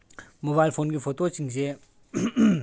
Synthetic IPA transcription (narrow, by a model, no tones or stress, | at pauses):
mobajlpʰoːnkipʰot̪ot͡ʃiŋse